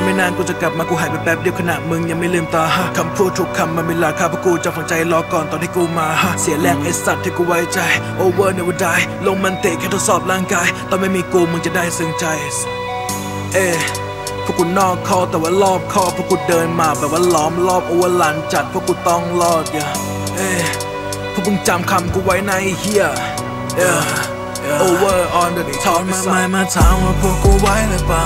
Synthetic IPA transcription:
maː˥˩naː˧nkuː˧˩t͡ɕa˨˩kla˨˩p̚maː˧kuː˧ɦaː˨˦pa˨˧pɛː˦˥˩p̚di˧əwkʰa˧na˨˩ʔmɯ˧ŋja˧ŋma˥˩jlɯː˧˩mt̪ɔː˧ha˧˥kʰa˧mpʰuː˥˩t̪ʰːu˧˦˥kʰːa˧mːaː˧mi˧˩la˧˩kʰaː˧˥˩pʰɔː˦˥˩kuː˧t͡ɕa˨˩ho˨˦t͡ɕa˧jlɔː˧˥kɔː˨˩nt̪ɔː˧nt̪ʰiː˥˩kuː˧˩maː˧ha˧˥si˨˦əlɛː˥˩ŋʔa˧jsa˨˩t̪ʰːiː˥˩kuː˧˩wa˨˦˥jt͡ɕa˧jʔoː˧wɤː˥˩t̪̚ni˧˩˨wɔː˧˥˩daː˧˩jlo˧ŋma˧nt̪i˨˩kʰɛː˥˩t̪ʰo˦˥t̪sɔː˨˩p̚laː˥˩ŋkaː˧jt̪ɔː˧˩ma˥˩jmiː˧kuː˧mɯ˧ŋt͡ɕa˨˩daː˥˩jsɯ˧ŋt͡ɕa˧j | ʔeː˧˩ | pʰɔ˥˨kʰu˧nːɔː˥˩kʰːɔː˥˩t̪ɛː˨˩waː˥˩lɔː˥˩p̚kʰɔː˥˩pʰɔ˥˨kʰu˧˩ndɤː˧nmaː˧˩bɛː˨˩p̚waː˥˩lɔː˨˥mlɔː˥˩p̚ʔoː˧wɤː˧˥˩laː˨˦nt͡ɕa˨˩t̪̚pʰɔː˥˩˨kʰu˧˥nt̪ɔ˥˩ŋlɔː˥˩t̪̚ja˧˩ | ʔeː˧˩ | pʰɔ˥˩mɯ˧˦ŋt͡ɕa˧mkʰa˧mkuː˧˩wa˦˥jna˧jhi˧˥˩ə | ʔaː˧˩˧ | ʔoː˧wɤː˧˩ʔɔː˧nbɛ˨˩ni˧˥˩ɔː˧˦a˧˥˧smaː˧˩maː˧˥˩t͡ɕʰaː˧˦maː˧˩pʰu˧˩kuː˧˩wa˦˥ja˧˩baː˧˩

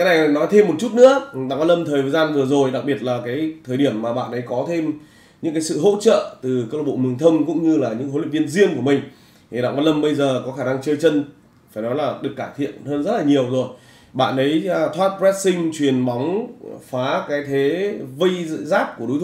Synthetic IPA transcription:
kaː˨˦na˨˩jnɔ˨˦jt̪ʰe˧mːo˨˩t̚t͡ɕu˦˥t̚nɨ̰˧˥əɓa̰˧˨kaː˧˥nlə˧mt̪ʰəː˨˩jvə˨˩zaː˧nvɨ˨˩əzo˨˩jɗa˨˩k̚ɓi˨˩ət̚laː˨˩kaː˨˦jt̪ʰəː˨˩jɗi˧˩əmːaː˨˩ɓa̰ː˧˨nʔə˨˦jkɔ˨˦t̪ʰe˧m | ɲɨ̰˧˥ŋkaː˨˦jsɨ̰˧˨ɦo̰˧˥t͡ɕə̰ː˧˨t̪ɨ˨˩kaː˦˧l̚ɓo̰˧˨mɨ˨˩ŋt̪ʰə˧wŋ͡mkʊ̰˧˥ŋ͡mɲɨ˧laː˨˩ɲɨ̰˧˥ŋɦo˨˦lḭ˧˨vənzi˧ənku˧˩əmï˨˩ŋ̟ | t̪ʰi˨˩ɗa̰˧˨ŋkvaː˧˦nlə˧mɓə˧jzəː˨˩kɔ˨˦xaː˧˩na˧ŋt͡ɕəː˧jt͡ɕə˧n | faː˧˩jnɔ˨˦jlaː˨˩ɗɨ˨˩əkːaː˧˩t̪ʰḭ˧˨ənhəː˧nzə˦˥t̚laː˨˩ɲi˨˩əwzo˨˩j | ɓa̰ː˧˨nʔə˨˦jt̪ʰwaː˦˥t̚pɹɛ˦˥t̚sï˧ŋt͡ɕwi˨˩ənɓa˨˦wŋ͡mfaː˨˦kaː˨˦jt̪ʰe˨˦və˧jzaː˦˥p̚ku˧˩əɗu˨˦t̪ʰ

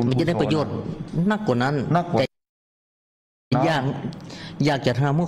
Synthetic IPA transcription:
ma˧˨nt͡ɕa˧˨da˥˩pa˧joː˧˩t̪̚na˧˥˩kkːɔː˧˨˩na˧˥˨n˧t̪ɛː˧ | jaː˧˩k̚ | jaː˧˩k̚t͡ɕa˨˧˩t̪hɦaː˧˩mɯː˧˨

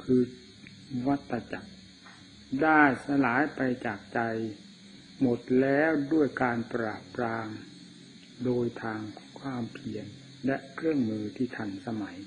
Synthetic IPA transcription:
kʰɯː˧ | wa˦˥t̪ʰːa˧t͡ɕa˨˩k̚ | daː˥˩jsa˧laː˩˦jpa˧jt͡ɕaː˨˩k̚t͡ɕa˧j | mo˨˩t̪̚lɛː˦˥wdu˥˩əjkaː˧npɾaː˨˩pːɾaː˧m | doː˧jt̪ʰaː˧ŋkʰwaː˧mpʰi˧ən | lɛ˦˥ʔkʰɾɯ˥˩əŋmɯː˧t̪ʰiː˥˩t̪ʰa˧nsa˧ma˩˦j

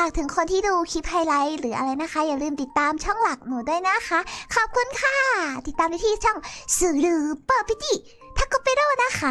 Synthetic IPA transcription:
aː˧˩k̚t̪ʰɯ˩˦ŋkʰo˧nt̪ʰiː˥˩duː˧kʰi˦˥p̚haː˧jla˦˥jɾɯː˩˦ʔa̰˧ɾa˧jna˧˦˥kʰa˦˥jaː˨˩ɾɯː˧mt̪i˨˩t̪ːaː˧mt͡ɕʰɔ˥˩ŋla˨˩k̚nuː˨˩˦du˥˩əjna˦˧˥kʰa˦˥ʔkʰɔː˨˩p̚kʰu˧˨ənkʰaː˥˩t̪i˨˩t̪ːaː˧mnaː˧˩iː˧˩t͡ɕʰɔ˥˩ŋsɯː˨˩ɾɯː˧˩pɤː˧˨˩pʰi˧˩t̪ʰiː˧˩ | t̪ʰa˦˥kɔ˧˩peː˧ɾoː˥˩na˦˧˥kʰa˦˥

